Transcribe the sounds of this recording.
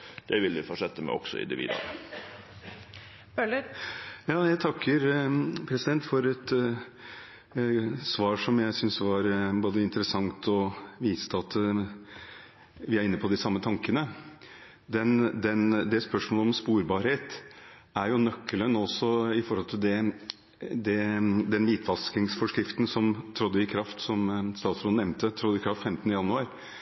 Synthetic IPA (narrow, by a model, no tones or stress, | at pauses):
d̪̥ɛʋɪlʋɪfɔʂɛt̪ːəmɛ̰ɔ̰ɡ̥sɔ̰ɪ̰nd̪ɪ̰ʋḭːd̪ɑ̰ɾə | øləjɑːjæɪt̪ʰɑkːəɾpʰɾɛsɪd̪ɛnt̪fɔɾɛt̪ | sʋɑːɾʂɔmjæɪsʏnsʋɑɾboːd̪əɪnt̪əɾəsɑŋt̪ʰɔʋiːst̪əɑt̪ | ʋɪæɾɪnːəpʰɔd̪ɪsɑmːət̪ʰɑŋkənə | d̪ɛnd̪ɛnd̪ɛspœʂmoːlɔmspuːɾbɑːɾheːt̪ | æɾjʊnœkːələnɔsːɔɪfɔɾhɔlt̪ʰɪld̪ɛ | d̪ɛd̪ɛnʋiːt̪ʰʋɑlskɪŋsfɔʂkɾɪft̪nsɔmt̪ʰɾɔd̪ːəɪkʰɾɑft̪sɔmst̪ɑːt̪sɾoːd̪ɛmnt̪ət̪ʰɾɔd̪əɪkʰɾɑft̪fɛmt̪ənəjɑnːʉɑːɾ